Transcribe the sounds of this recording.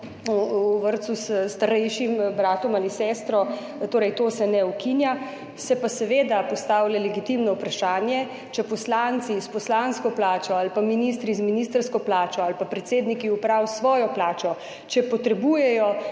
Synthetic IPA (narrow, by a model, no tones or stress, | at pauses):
ʋəɾt̪susst̪aɾɛjʃimbɾaːt̪ɔmaːlisɛst̪ɾɔ | t̪oːɾɛjt̪oːsɛnɛukinja | sɛpasɛʋeːd̪apɔst̪aːwlɛlɛɡit̪imnɔwpɾaʃaːnjɛ | t͡ʃɛpɔslant̪sispɔslanskɔplaːt͡ʃɔalpaminist̪ɾizminist̪əɾskɔplaːt͡ʃɔalpapɾɛt̪seːd̪nikiupɾawsʋɔːjɔplaːt͡ʃɔ | t͡ʃɛpɔt̪ɾɛbuːjɛjɔ